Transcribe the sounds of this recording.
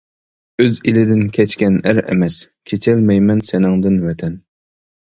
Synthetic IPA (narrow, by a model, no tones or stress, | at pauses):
øzilɪd̪ɪnkʲʰɛt͡ʃkʲɛnæɾɛ̰mɛskʲʰet͡ʃʰɛlmɛjmɛnsɪnɪŋd̪ɪnwɛt̪ʰɛn